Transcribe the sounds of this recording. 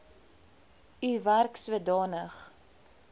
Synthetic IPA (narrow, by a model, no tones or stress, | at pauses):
yværksuədɑːnəχ